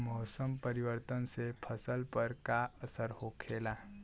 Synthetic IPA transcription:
mɔsəmpəɾiʋəɾt̪ənsepʰəsəlpəɾkaəsəɾɦokʰela

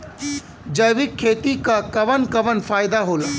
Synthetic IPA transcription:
d͡ʒəjʋɪkʰːeːt̪ikakɐʋənkɐʋənfʰaːɪd̪aɦoːla

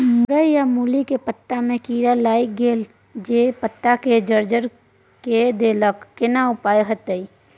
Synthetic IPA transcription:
mʊɾəjjamuːlikepət̪ːamẽkiːɾalaːɪk̚ɡeːl | d͡ʒepət̪ːaked͡ʒəɾd͡ʒəɾ | ked̪eːləkːɪnaʊpaːeɦət̪əi

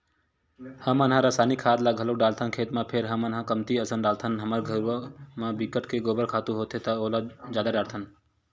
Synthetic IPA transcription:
həmənɦãɾasaːnikʰaːd̪laɡʱəlok̚ɖaːlt̪ʰənkʰeːt̪mãpʰeɾɦəmənɦãkəmt̪iəsənɖaːlt̪ʰənɦəməɾɡʱəɾuəmãbikəʈkeɡoːbəɾkʰaːt̪ũɦoːt̪et̪ɐolad͡ʒjaːd̪aɖaːɽt̪ʰən

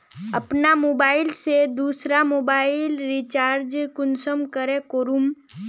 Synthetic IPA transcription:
əpnamoːbaːɪlsed̪uːsɾamoːbaːɪlɾit͡ʃaːɾd͡ʒkʊnsəmkəɾekoːɾum

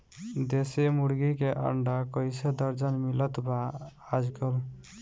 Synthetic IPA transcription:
d̪esemuɽɡikeʔə̰ɳɖakəjsed̪əɾd͡ʒənmilət̪ba | ad͡ʒɡəl

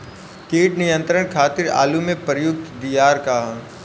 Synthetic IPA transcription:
kiːʈnɪjə̃nt̪ɾəɳ̃kʰaːt̪ɪɾa̰ːlumẽpɾjʊk̚t̪d̪ijaːɾkaɦa

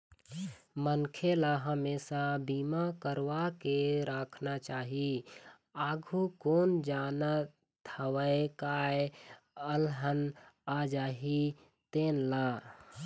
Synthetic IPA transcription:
mənkʰelaɦəmeːsabiːmakəɾʋakeɾəkʰnat͡ʃaːɦi | aːɡʱukoːnd͡ʒaːna | t̪ʰəwəekae | əlɦənad͡ʒaːɦi | t̪eːnla

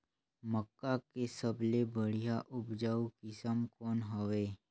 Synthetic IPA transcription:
məkːakesəblebəɽ̤ijaʔʊbd͡ʒaukɪsəmkɔːnɦəʋeː

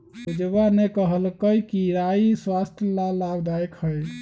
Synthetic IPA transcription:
ud͡ʒəbanekəɦəlkəjkiɾaiswast̪ʰəlalabd̪ajkhəj

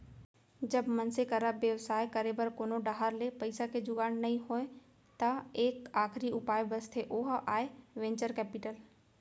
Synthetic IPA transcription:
d͡ʒɐbmɐnsekɐɾəbjɐʋsaːekɐɾebəɾkoːnoɖaɦaɾlepɐɪsakʰed͡ʒʊɡaːnnɐɦĩɦoːe | t̪ɐeːkaːxʰɾiʊpaːjbɐst̪ʰeʔoːɦaːeʋẽːɲt͡ʃəɾkɛːpiʈəl

